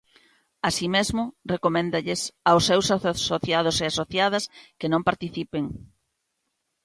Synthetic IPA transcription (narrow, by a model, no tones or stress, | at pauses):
asimezmʊrekomẽnd̪ɐʎɪsawsːewsasoθjað̞ʊseasoθjað̞ɐskenõmpaɾt̪iθipeŋ